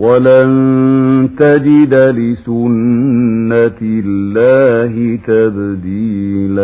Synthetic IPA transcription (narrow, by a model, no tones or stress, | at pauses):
walan | t̪ad͡ʒɪd̪alɪsʊnː | aɪlːaːhɪt̪abd̪iːla